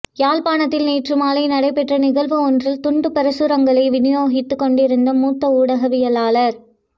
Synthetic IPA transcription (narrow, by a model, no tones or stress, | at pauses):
jaːlpaːnɐt̪ːɪlneːʈrɯmaːlɐɪnɐɽɐɪpːɛʈrɐnɪɣɐlʋɯɔndrɪlt̪ʊɳɖɯpɛɾɐsɯɾɐŋɡɐɭɐɪʋɪnɪjoːɣɪt̪ːɯkːɔɳɖɪɾɯnd̪ɐmuːt̪ːɐuːɽɐɣɐʋɪjɐlaːlɐɾ